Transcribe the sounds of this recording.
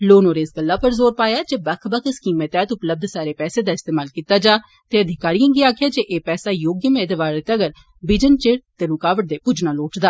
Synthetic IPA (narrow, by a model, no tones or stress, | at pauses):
loːnoːɾeːsɡəlːaːpəɾzoːɾpaːjaːd͡ʒeːbəkʰbəkʰɪskiːmət̪ɛːt̪ʊpləb̚d̪saːɾeːpɛːseːd̪aːɪst̪eːmaːlkiːt̪aːd͡ʒaː | t̪eːəd̪ʱɪkaːɾijãːɡiaːkʰjaːd͡ʒeʔeːpɛːsaːjoːɡjəmẽːd̪eʋaːɾet̪əɡəɾ | bɪd͡ʒənt͡ʃeɽt̪eːɾʊkaːʋəʈ̚d̪eːpud͡ʒnãːloːʈd̪aː